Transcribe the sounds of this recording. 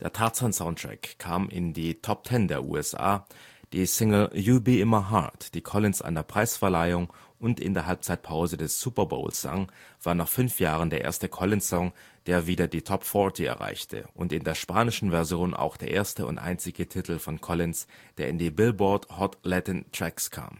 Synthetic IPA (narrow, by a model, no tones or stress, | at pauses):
d̥eːɐtʰaɐsɔnsaʊntʁ̥ɛ̰kʰːaːmʔɪ̰ndiːtʰɔp̚tʰɛndeːɐʔṵːɛsʔa̰ːd̥iːsɪŋl̩juːbiɪmɐɦa̰td̥iːkʰɔlɪnsʔa̰ɪnɐpʁ̥aɪsfɛɐlaɪʊŋʊntɪ̰ndeːɐɦalp̚t͡saɪt̚pʰaʊzədɛssuːpɐbo̰ʊlsz̥a̰ŋv̥aːɐnaːχfʏnfjaːʁ̞əndeːɐʔḛːɐstəkʰɔlɪnsɔŋ | d̥eːɐviːdɐdiːtʰɔpfɔɐtʰiɛ̰ɐʁa̰ɪçtʰə̰ʔʊntɪndeːɐʃpaːnɪʃn̩vɛɐzjoːnʔa̰ʊxd̥eːɐʔeːɐstəʊ̰ntʔa̰ɪnt͡sɪɡətʰɪtʰl̩fɔnkʰɔlɪnsd̥eːɐʔɪndiːbɪlbɔthɔtlɛtɛntʁ̥ɛkskʰa̰ːm